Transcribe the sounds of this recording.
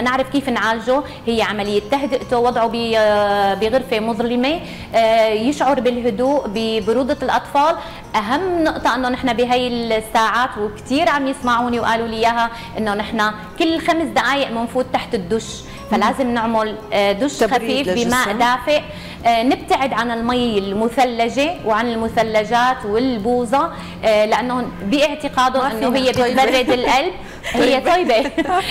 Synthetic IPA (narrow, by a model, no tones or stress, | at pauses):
nɪʕɾɪfkiːfnʕaːlʒo | hɪjːeʕamalɪjːet̪ːaɦd̪ɪʔt̪owɑd̪ˤʕobi | bɪɣʊɾfemʊðˤlɪme | jɪʃʕɑɾˤbɪlɦʊd̪uːʔbɪbʊɾuːd̪ˤɑlʔɑt̪ˤfɑːl | ʔaɦamːnʊʔt̪ˤɑʔɪnːonɪħnabɪɦaːjːɪlsːaːʕaːt̪wɪkt̪iːɾʕamjɪsmaʕuːniwʔaːlulɪjːaːɦa | ʔɪnːonɪħna | kɪlːxamsd̪aʔaːjɪʔmɪnfuːt̪̚ːaħt̪ɪd̪ːʊʃ | falaːzɪmnɪʕmʊld̪ʊʃxafiːfbimaːʔd̪aːfɪʔ | nɪb̚t̪aʕɪd̪ʕanɪlmajɪlmʊθalːaʒewʕanɪlmʊθalːaʒaːt̪wɪlbuːzɑ | lɪʔanːobiʔɪʕt̪ɪqɑːd̪ʊnʔɪnːoɦɪjːebɪbarːɪd̪ɪlʔalb̚ | hɪjːetˤɑjbe